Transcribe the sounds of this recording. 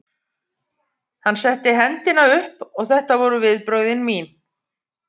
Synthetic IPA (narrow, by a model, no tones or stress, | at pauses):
hanːsɛht̪ɪɦɛnt̪ɪnaʏhpɔɣθɛht̪avɔɾʏvɪðpɾœːɥðɪnmiːn